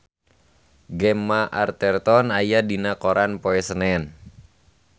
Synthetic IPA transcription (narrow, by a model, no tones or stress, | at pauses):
ɡɛmːaʔa̰rt̪ɛrt̪ɔnajadinakɔɾʔanpoɛsənɛn